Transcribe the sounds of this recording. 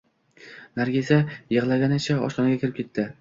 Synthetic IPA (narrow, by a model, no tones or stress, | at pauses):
naɾɡʲezʲajɨʁlˠaɡʲanɪt͡ʃʰaɒ̰ʃt̪ɒnaɡʲakʰʲɪɾɪpkʰʲe̞t̪ʰːɪ